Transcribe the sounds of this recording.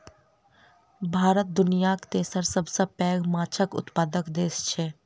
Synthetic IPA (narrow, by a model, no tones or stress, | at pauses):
bʱaːɾət̪̚d̪ʊnijakt̪esəɾsəbsɐpɛːɡmaːt͡ʃʰəkʊ̰t̪paːd̪əkd̪eːst͡ʃʰeː